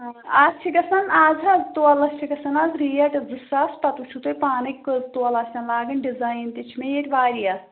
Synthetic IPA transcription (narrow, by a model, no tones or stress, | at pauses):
ast͡ʃʰikɐsɐnaːzɐzt̪oɐlɐst͡ʃʰiɡɐsɐnaːzɾiːɐʈɐd͡zɨsaːsʈɐt̪ut͡ʃʰut̪oːjpaːnɐkːt̪oɐlasʲɐnlaːɡɐnɖizaːjnt̪it͡ʃʰmejeʈʲʋaːɾijaː